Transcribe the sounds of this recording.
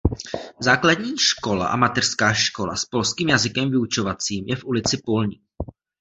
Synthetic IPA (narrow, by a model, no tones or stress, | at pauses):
zaːkladɲiːʃko̞la̰ʔa̰mat̪ɛr̥skaːʃko̞la̰spo̞lskiːmjazɪkɛmvɪut͡ʃo̞vat͡siːmjɛfʔulɪt͡sɪpo̞lɲiːk